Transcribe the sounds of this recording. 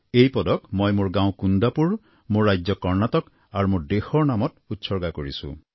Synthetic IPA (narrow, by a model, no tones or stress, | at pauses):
ejpɔd̪ɔkmɔjmoɹɡãw̃kund̪apuɹ | moɹːajd͡ʒjɔkɔɹnat̪ɔk | aɾmoɹd̪ehɔnamɔt̪ut̪sɔɾɡakɔɹḭsṵ̃